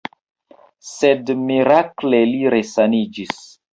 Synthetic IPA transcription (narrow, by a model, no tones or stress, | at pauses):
sedmiɾakleliɾesanid͡ʒis